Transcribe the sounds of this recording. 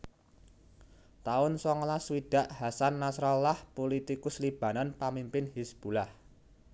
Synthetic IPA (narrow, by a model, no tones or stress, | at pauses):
t̪aʊnsɔŋlaswiɖ̥a̤ʔhasanːasɾɔlahpolit̪ikʊslib̥a̤nanpamimpɪnhisb̥ṳlah